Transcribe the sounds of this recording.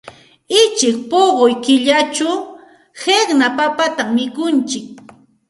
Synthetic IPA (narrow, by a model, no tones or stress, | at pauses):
ɪt͡ʃɪk̚poɢojkɪʎat͡ʃʊ | heχnapapat̪amːɪkʊnt͡ʃɪk̚